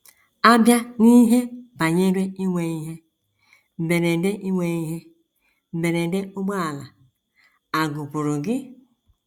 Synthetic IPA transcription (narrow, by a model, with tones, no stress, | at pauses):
a˦bja˦ni˦ɦe˦ba˨ɲe˦ɾe˦i˦wʷe˨i˦ɦe˦ | m̩˨be˨ɾe˨de˦ʔi˦wʷe˨i˦ɦe˦ | m̩˨be˨ɾe˨de˦o˦ɡ͡ba˦a˨la˨ | a˨ɡu˨pu˨ɾu˨ɡɪ˦